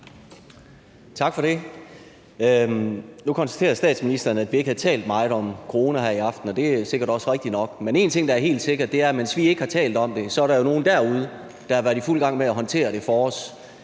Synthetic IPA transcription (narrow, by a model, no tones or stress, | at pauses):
t͡sʰɑ̈ɡ̥fɒ̽ɾe̝ | nukʰɒ̽nsd̥æ̥t͡sʰe̝̰ːɐsd̥ɛ̰ːd̥sminisd̥ɐnəæd̥ʋie̝ɡ̥hæðˠt͡sʰɛ̰ːld̥mɑ̈ɪð̩ˠɒ̽mkʰoʁo̝ːnæɦæɐ̰iɑ̈fd̥n̩ɒ̽d̥e̝se̝ɡ̥ɐɾ̥ɒ̽sʁeɡ̥̚d̥inɒ̽ɡ̥mene̝ːnt͡sʰe̝ŋ̰d̥ɑ̈æɐɦe̝̰ːld̥se̝ɡ̥ɐd̥e̝æɐmensʋie̝ɡ̥hɑ̈t͡sʰɛ̰ːld̥ɒ̽md̥e̝sɒ̽æɐɾɑ̈jo̝no̝ːn̩d̥æɐ̰uð̞ˠə | d̥ɑɑ̈ʋæɐd̥iful̰ɡ̥ɑ̈ŋ̰meæɦɒ̽nt͡sʰe̝̰ːɐɾ̥e̝fɒɒ̽s